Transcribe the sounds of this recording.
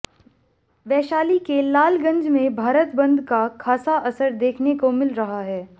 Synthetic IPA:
ʋɛːʃaːlikelaːlɡɐ̃ɲd͡ʒmẽbʱaːɾət̪bɐ̃nd̪ʱkakʰaːsaʔɐsəɾd̪eːkʰnekomɪlɾɐɦaɦɛː

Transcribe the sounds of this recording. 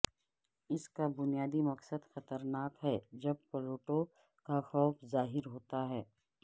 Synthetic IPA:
ɪskabʊnijaːd̪imɐksəd̪xɐt̪əɾnaːkɦɛd͡ʒɐb̚pəɾoːʈo | kaxɔːfzaːɦɪɾɦoːt̪aɦɛː

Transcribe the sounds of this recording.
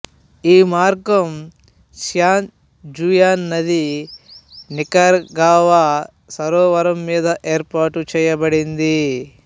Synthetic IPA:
iːmaːɾɡɐm | ʃjaːn | d͡ʒujaːnːɐd̪i | nikɐɾɡaːʋa | sɐɾoːʋɐɾɐmːiːd̪ɐʔeːɾpaːʈut͡ʃɛːjɐbɐɽind̪i

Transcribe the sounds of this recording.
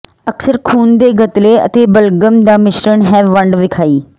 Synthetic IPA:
əksəɾkʰuːnd̪eːɡət̪leːə̰t̪eːbəlɡəmd̪aːmɪʃɾəɳɦɛːʋʋəɳɖʋɪkʰaːiː

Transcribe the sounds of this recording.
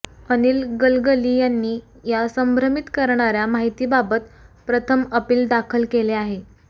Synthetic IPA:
əniːlɡəlɡəlijanːiː | jasəmbʱɾəmit̪kəɾɳaɾjamaɦit̪iːbabət̪pɾət̪ʰəməpiːld̪akʰəlkeleaɦe

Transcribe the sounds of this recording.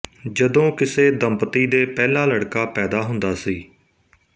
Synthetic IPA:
d͡ʒəd̪õːkɪseːd̪əmpət̪iːd̪eːpɛːlaːləɽkaːpɛːd̪aːɦʊnd̪aːsiː

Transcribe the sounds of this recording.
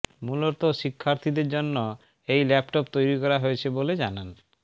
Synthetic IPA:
muloɾt̪oʃikʰːaɾt̪ʰid̪eɾd͡ʑonːo | ejlɛpʈopt̪ojɾikɔɾaɦoet͡ɕʰeboled͡ʑanan

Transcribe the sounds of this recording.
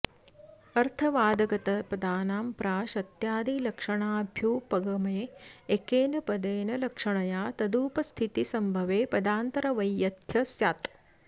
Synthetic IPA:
ɐɾt̪ʰɐʋaːd̪ɐɡɐt̪ɐpɐd̪aːnaːmpɾaːʃɐt̪jaːd̪ilɐkʂɐɳaːbʱjuːpɐɡɐmɐjeekeːnɐpɐd̪eːnɐlɐkʂɐɳɐjaːt̪ɐd̪uːpɐst̪ʰit̪isɐmbʱɐʋeːpɐd̪aːnt̪ɐɾɐʋɐjːɐt̪jɐsjaːt̪

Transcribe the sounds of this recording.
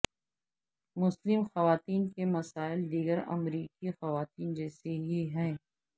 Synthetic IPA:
mʊslɪmxɐʋaːt̪iːnkemɐsaːɪld̪iːɡəɾɐ̰mɾiːkixɐʋaːt̪̚iːnd͡ʒɛːseɦiɦɛː

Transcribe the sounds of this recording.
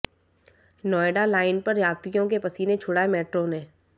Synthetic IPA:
nɔːeɖalaːɪnpɐɾjaːt̪ɾijõk̬epɐsinet͡ʃʰʊɽaːemeːʈɾonẽː

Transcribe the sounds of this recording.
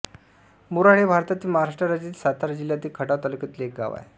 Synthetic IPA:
muɾaɽebʱaɾt̪at̪iːməɦaɾaʂʈɾəɾad͡ʑiːt̪sat̪ʰaɾd͡ʑiljat̪iːkʰəʈaʋt̪əlkət̪lek̚ɡa̰ʋa̰j

